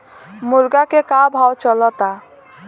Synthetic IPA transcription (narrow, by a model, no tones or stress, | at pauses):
muɾɡakekabʱawt͡ɕɔlɔt̪a